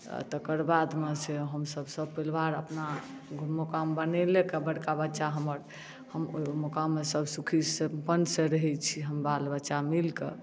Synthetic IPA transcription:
t̪əkəɾbad̪meseɦəmsəbʱsəb̚pilʋaɾəpna | ɡʱmmokambənɛlekebəɽkabətːʃaɦəməɾ | həmmokamːesəbsukʰisepənseɾəɦɛt͡ʃʰiɦəmbalbəːʃamilkḛ

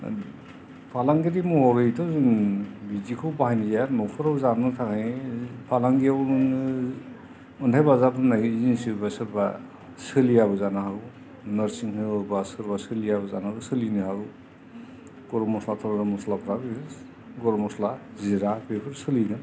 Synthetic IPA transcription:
pʰalaŋɡiɾimɔɔɾɯjtʰɔzɯŋbizikʰɔwbahajnijamɔpʰɔɾawzanɯtʰakʰajpʰalaŋɡijaw | ɔntʰajbazapʰɯnazinsibasɯɾba | sɯlijabɯzanaɦaw | nɔɾsiŋhɯɯbasɯɾbasɯlijabɯzanaawsɯlinɯɦaw | ɡ̥ɔɾɔmɔslatʰɔɾɔɾɯmɔslapʰɾab | ɡɔɾmɔslaziɾapʰepʰɯɾsɯliɡɯn

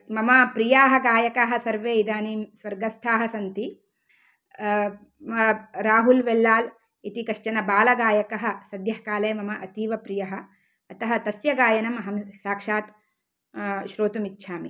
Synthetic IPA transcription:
mɐmɐpɾijaːɦɐ̆ɡaːjɐkaːɦɐsɐɾʋeːid̪aːnisʋɐɾɡɐst̪ʰaːɦɐsɐnt̪i | ɐɾaːɦulʋelːaːl | it̪ikɐʃt͡ʃɐnɐbaːlɐɡaːjɐkɐɦɐ̆sɐd̪ʱjɐɦkaːleːmɐmɐʔɐt̪iːʋɐpɾijɐɦɐ̆ː | t̪ɐɦɐt̪ɐsjɐɡaːjɐnɐmɐɦɐmsaːkʂaːt̪ | ʃɾoːt̪umitːʃʰaːmi

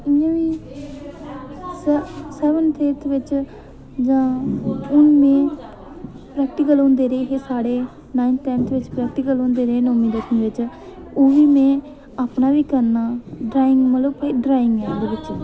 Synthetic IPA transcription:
ɪjãːʋiː | ssɛːʋənt̪ʰeːt̪ʰʋɪt͡ʃ | d͡ʒãːʊnmẽː | pɾɛːk̚ʈɪkəlõːnd̪eːɾeːɦeːsaːɽeː | naːɪnt̪ɛːnt̪ʰʋɪt͡ʃpɾɛːk̚ʈɪkəlɦõːnd̪eːɾeeːnõːmĩːd̪ek̪ʰnĩʋɪt͡ʃ | oːʋiːmɛ̃ː | aːpnaːʋiːkəɾnaːɖɾaːɪ̃ŋɡmələbpːiːɖɾaːɪ̃ŋɡɛ̃ːd̪eːʋɪt͡ʃ

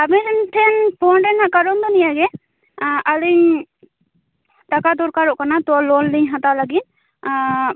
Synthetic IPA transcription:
abɛɾɛnʈʰɛnpʰɔnɾɛnaʔkaɾɔnd̪ɔnijaɡɛ | əliɲ | t̪akad̪ɔɾkaɾɔʔkanat̪ɔlɔnliɲɦat̪alaɡit̪̚

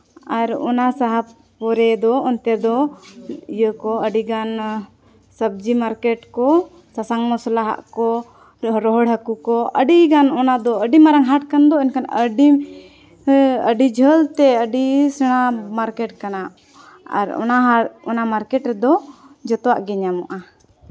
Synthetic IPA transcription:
aɾɔ̰nasaɦa | pɔɾɛd̪ɔɔnt̪ɛd̪ɔ | ijəkɔəɖiɡan | səb̚d͡ʒimaɾkɛʈkɔ | sasaŋmɔslaɦa̰ʔkɔ | ɾɔɦɔɽɦəkukɔəɖiɡanɔnad̪ɔəɖimaɾaŋɦaʈkand̪ɔinkana̰ʔəɖi | əɖid͡ʒʱəlt̪ɛəɖisɛɽ̃amaɾkɛʈ̚kana | a̰ɾɔ̰naɔnamaɾkɛʈɾɛd̪ɔ | d͡ʒɔt̪ɔwa̰ʔɡɛɲamɔʔa

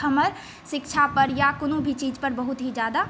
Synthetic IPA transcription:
əməɾ | ʃɪkt͡ʃʰapəɾjakʊnõbʱit͡ʃiːd͡ʒpəɾbəɦʊt̪ɦid͡ʒjaːd̪a

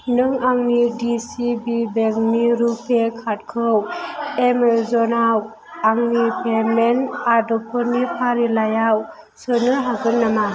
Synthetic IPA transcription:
nɯŋaŋnidisibibeŋniɾupʰekʰat̚kʰɯwemezɔnaw | aŋnipʰemenadɔpʰɔnipʰaɾilajaw | sɯnɯɦaɡɯnːama

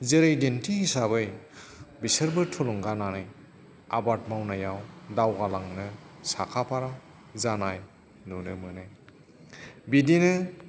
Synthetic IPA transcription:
zɯɾejdentiɦisaβɯj | bisɯɾbɯtʰɔlɔŋɡananɯj | a̰batmawnajawdawɡalaŋnɯsakʰapʰaɾa | zanaj | nunɯmɯnɯj | bidinɯ

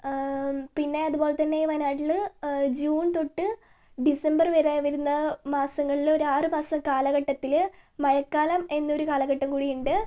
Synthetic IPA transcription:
pinːe̞ɐðubo̞ːlet̪ɐnːe̞jʋɐnaːʈild͡ʑuːnt̪o̞ʈːɨ | ɖisɐmbɐrʋeːɾaːjʋɐɾunːɐmaːsɐŋːɐɭilo̞ɾaːrɨmaːsɐmkaːlɐɣɐʈːɐt̪ːilmɐɻɐkːaːlɐme̞nːɐoɾukaːlɐɣɐʈːɐmkuːɽijuɳɖɨ

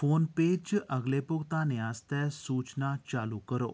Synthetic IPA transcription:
foːnpeːd͡ʒt͡ʃʔəɡlepʊɡt̪anẽast̪ɛsuːt͡ʃnat͡ʃaːlukəɾo̰ː

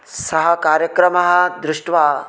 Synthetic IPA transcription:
sɐɦɐkaːɾjɐkɾɐmɐɦɐ̆d̪ɾɪʂʈʋaː

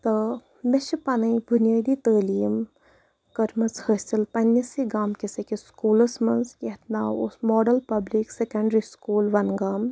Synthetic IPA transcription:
t̪ə | meʃipɐnɐjbʱʊnijəːd̪it̪əːliːm | kɐɾmɐt͡shəsɐlpɐnːisiɡaːmkesekeskuːlɐsmɐnsket̪naːwosmɔːɖɐlpɐbliksekɐɳɖɾiskuːlʋɐnɡaːm

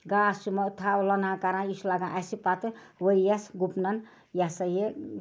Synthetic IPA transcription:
ɡaːsumɐt̪ʰawlɐnãkaɾãislaɡãʔɐsipat̪ɨʋəjasɡupnɐn | jasɐje

